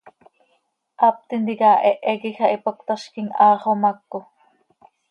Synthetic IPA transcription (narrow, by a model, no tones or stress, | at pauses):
ʔɑp̚t̪ind̪ikaːʔeʔeɣixɑʔipok̚t̪ɑʃkiŋɑːχomɑkːo